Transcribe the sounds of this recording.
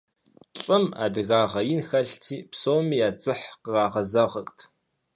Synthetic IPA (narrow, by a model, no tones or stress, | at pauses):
ɬʼɨma̰ːdɨɣaːʁɐjɪnxɐɬtʰiːpsoːwmiːjaːt͡sʼɨħqərɑːʁɐzɐʁɐktʰ